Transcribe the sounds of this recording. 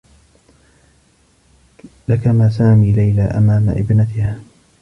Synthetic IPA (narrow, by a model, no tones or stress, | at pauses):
lakamaːsaːmiːlajlaːʔa̰maːma̰ʔɪ̰bnat̪ɪhaː